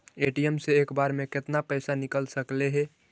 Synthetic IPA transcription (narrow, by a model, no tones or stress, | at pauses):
eʈijemseekbaɾmeket̪napəɪsanikəlsəkleɦɛ